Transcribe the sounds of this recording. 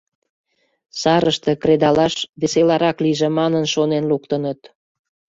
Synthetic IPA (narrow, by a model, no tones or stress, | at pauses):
sɑɾəʃt̪ekred̪ɑlɑʃβeselɑɾɑkliʒemɑnənʃonenluk̚t̪ənət̪